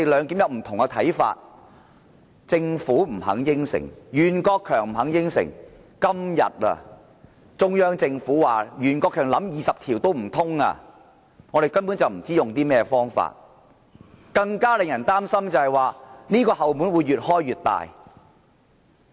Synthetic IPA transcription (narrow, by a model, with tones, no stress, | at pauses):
lœː˨˧ŋki˨˥mjɐ˨˧wm̩˨˩t̪ʰʊ˨ŋkɐ˧t̪ʰɐ˨˥jfa̰ː˧t̚ | t͡sɪ˧ŋfuː˨˥m̩˨˩ɦɐ̰˨˥ŋjɪ˥ŋsɪ̰˨˩ŋjyː˨˩nkɔː˧kʰːœː˨˩ŋm̩˨˩hɐ˨˥ŋjɪ˥ŋsɪ̰˨˩ŋ | kɐ˥mjɐ̰˨t̚ɐ̰˧ | t͡sʊ˧ŋjœː˥ŋt͡sɪ˧ŋfuː˨˥waː˨jyː˨˩nkɔː˧kʰːœː˨˩ŋlɐ˨˥mjiː˨˧sɐ˨p̚t̪ʰiː˨˩wt̪o˥wm̩˨˩t̪ʰʊ˥ŋa̰ː˧ | ŋɔː˨˧ɾe˨˩jkɐ˥npu˨˥nt͡sɐ˨wm̩˨˩t͡siː˥jʊ˨ŋt̪iː˥mɛː˥fɔː˥ŋfa̰ː˧t̚ | kɐ˧ŋkaː˥lɪ˨ŋjɐ˨˩nt̪aː˥msɐ˥mt͡sɐ˨˧whɐ˨jwaː˨niː˥kɔː˧ɦɐ˨wmu˨˥nwuː˨˧jɥyː˨t̚hɔː˥jɥyː˨t̚t̪a̰ː˨j